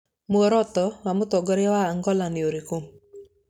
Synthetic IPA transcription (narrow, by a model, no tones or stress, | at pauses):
mwɔɾɔt̪ɔwamʊt̪ɔɡɔɾɛwaːŋɡɔlanɪoɾikom